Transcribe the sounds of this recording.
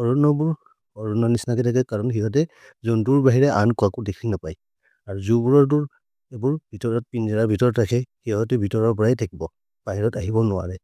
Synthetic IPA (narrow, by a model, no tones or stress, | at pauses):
ɔɹɔnɔbuɹ | ɔɹɔnɔnisnakɛtʰakɛkaɹɔnxiɦɔt̬ɛ | zɔnduɹbaɦiɹɛʔankʊakʊdekʰinapaj | aɹuzubuɹɔɹd̬uɹ | ɛbuɹbʱitɔɹɔt̚pinzaɹaɹbʱitɔɹɔtɹakʰɛhiɦɔtɛbʱitɔɹɔɹpɔɹajtʰakibɔ | b̥aɦiɹɔtaɦibɔnʊwa̰ɹɛ